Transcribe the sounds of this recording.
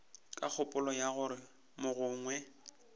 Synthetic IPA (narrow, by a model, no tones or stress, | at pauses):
kʼak͡xʰʊpʼʊlɔjaɣʊɾɪ | mʊɣʊːŋwɛ